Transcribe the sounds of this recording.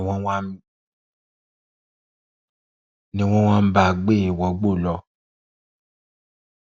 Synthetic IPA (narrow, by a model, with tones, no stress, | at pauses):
wɔ̃˦wã˦ | nĩ˧˦w̃ɔ̃˦w̃ã˦m̩˦ba˦˨ɡ͡be˦˨wɔ˨˦ɡ͡bo˦˨lɔ˧˦